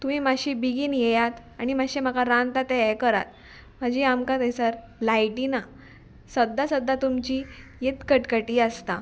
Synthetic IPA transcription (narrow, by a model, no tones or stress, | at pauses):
t̪umiːmaɕibiɡiːnjejat̪ | aɽ̃imaɕemakaɾãnt̪at̪ɛjkəɾa̰t̪̚ | m̤ad͡ʑiamkat̪ejsəɾ | lajʈina | səd̪ʱːasəd̪ʱːat̪umt͡ɕiːjet̪kəʈkəʈiːaəst̪a